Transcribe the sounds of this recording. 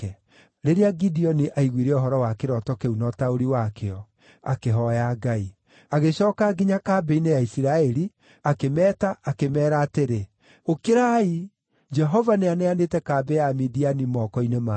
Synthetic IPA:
ɛ | ɾeɾeaɡidiɔniʔaiɣwiɾɛɔɦɔɾɔwakeɾɔtɔkeunɔtaoɾiwakeɔ | a̰keɦɔjaɡai | aɣeɕɔːkaɡiɲakaːbɛinejaisiɾaɛɾi | akemɛːtaakemɛːɾaːteɾe | okeɾai | d͡ʒɛɦɔvaneanɛanetɛkaːbɛjamidianimɔːkɔinema

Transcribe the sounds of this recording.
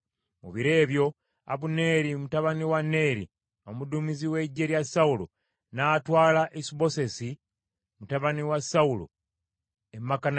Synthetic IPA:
mṵβiɾe̞ːβjo̞ | a̰βune̞ɾimutaβaniwanːe̞ːɾḭ | o̞mudumiziwe̞ɟːe̞ljasaulo̰ | naːtwaːlaʔesiβo̞se̞si | mutaβaniwasaulo̰ | emːakan

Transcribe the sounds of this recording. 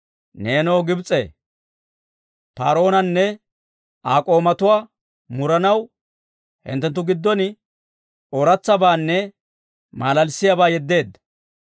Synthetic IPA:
ne̞ːnɔwɡɪbt͡sʼːḛ | pa̰ːɾo̞ːnɐnːɛ | aːkʼo̞ːmɐt̪ʊwaː | mʊɾɐnɐw | hɪ̰nt̪ːɛnt̪ːʊɡɪd̪ːɔnɪ | ɔɾɐt͡sːɐbaːnːɛ | maːlɐlsɪjabaːjɛd̪ːe̞ːd̪ːɐ̥

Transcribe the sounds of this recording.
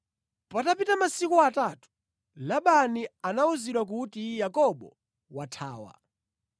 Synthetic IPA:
patapitamasikuatatu̥ | laɓanianauziɗwak̬utijakɔɓɔ̰ | watʰa̰ːwa̰

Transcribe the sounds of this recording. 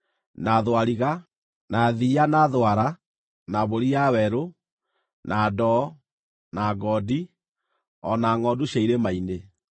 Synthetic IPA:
naðwaɾiɣa | naðianaðwaɾa | naβoɾiawɛɾo | nʔadɔ | naɡɔdi | ɔnaŋɔduɕaiɾemaine

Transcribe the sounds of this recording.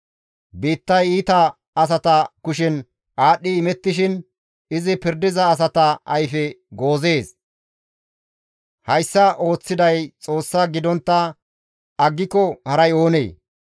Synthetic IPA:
biːt̪ːɐjiːt̪ɐ | ɐs̬ɐt̪ɐkʊʃɪn | ʔaːɗːɪːmɛt̪ːɪʃ̬ɪn | ɪzɪpɪɾd̪ɪzɐːs̬ɐt̪ɐɐjfɛɡo̞ːze̞ːs | hɐjsːɐʔo̞ːt͡sːɪd̪ɐjt͡sʼo̞ːsːɐɡɪd̪ɔnt̪ːɐ | ɐɡːɪkːɔhɐɾɐjo̞ːnḛː

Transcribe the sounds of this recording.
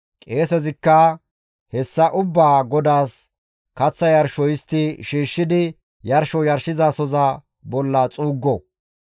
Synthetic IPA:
kʼe̞ːsɛzɪkːɐ | hɛsːɐʔʊbːaːɡɔd̪aːs | kɐt͡sːɐjɐɾʃɔjɪst̪ːɪʃiːʃːɪd̪ɪ | jɐɾʃɔjɐɾʃɪzasɔzɐ | bɔlːɐt͡sʼuːɡːɔ

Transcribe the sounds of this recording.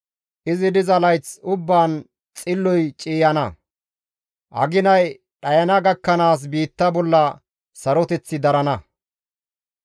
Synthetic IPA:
ʔɪzɪd̪ɪzɐlɐjt͡sʊbːaːn | t͡sʼɪlːɔjt͡ʃʼiːjɐnɐ | ʔɐ̰ɡɪnɐj | ɗɐjɐnɐɡɐkːɐnaːs̬biːt̪ːɐbɔlːɐ | sɐɾɔt̪ɛt͡sːɪd̪ɐɾɐnɐ

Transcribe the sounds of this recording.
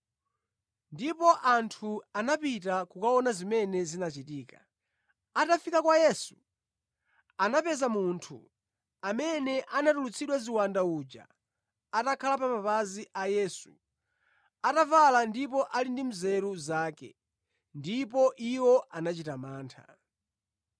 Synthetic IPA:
ndipɔʔantʰuanapitakukaɔnazimɛnɛzinat͡ʃitiːka | atafikakwajɛsu̥ | anapɛzamuntʰṵ | amɛnɛʔanatulut͡sʰiɗwaziwandauːd͡ʒa̰ | atakʰalapamabaziʔajɛːsu | atavalandipɔʔalindim̩zɛɾuzaːkɛ̰ | ndipɔʔiwɔʔanat͡ʃitamaːntʰa̰

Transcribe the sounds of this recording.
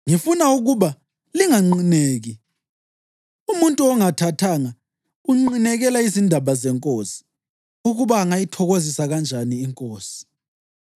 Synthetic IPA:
ŋifunauɣuβa | liŋaŋ͡ǀineːɣi | umuntʼuɔŋatʰatʰaːŋa | uŋ͡ǃinɛɣɛlaizindʱaβazɛŋkʼoːsi̥ | uɣuβaːŋajitʰɔɣozisaɣand͡ʒʱaniːŋkʼoːsi̥

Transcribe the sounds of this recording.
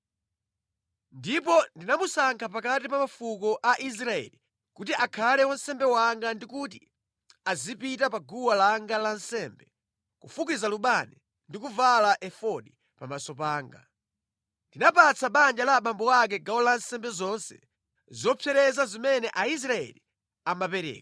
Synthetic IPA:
ndipɔndinamusaŋkʰap̬akatipamafukɔʔaʔis̬ɾaɛ̰li | kutiʔakʰalɛwansɛmbɛwaŋɡandikuti | azipitapaɡuwalaŋɡalansɛmbɛ | kufukizaluɓani | ndikuvalaʔɛfɔɗi | pamasɔp̬aːŋɡa̰ | ndinapat͡sʰaɓand͡ʒalaɓambɔwak̬ɛɡawɔlansɛmbɛzɔnsɛ̰ | zɔpʰjɛɾɛzazimɛnɛʔais̬ɾaɛ̰li | amapɛɾɛ̰ːkḁ

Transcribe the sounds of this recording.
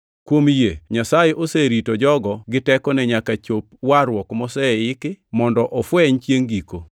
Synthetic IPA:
kwomjeɲasajɛʔoseɾitod͡ʒɔɡɔɡɪtɛkɔnɛɲakat͡ʃop̚waɾwɔkmɔsɛɪkɪmɔndɔʔɔfwɛɲt͡ʃjeŋɡiko

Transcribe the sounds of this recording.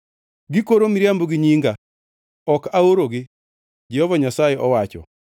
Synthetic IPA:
ɡɪkoɾomiɾjamboɡɪɲiŋɡa | ɔkaoɾoɡɪ | d͡ʒɛhɔvaɲasajeʔɔwat͡ʃɔ̰

